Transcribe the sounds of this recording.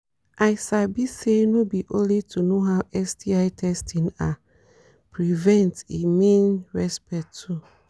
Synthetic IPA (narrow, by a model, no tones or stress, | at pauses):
ʔaɪsabisenõbiʔõnlitʰunoɦawʔɛstʰiaɪtʰɛstʰĩna | pʰɹivɛ̃ntemĩnɹɛspɛktʰu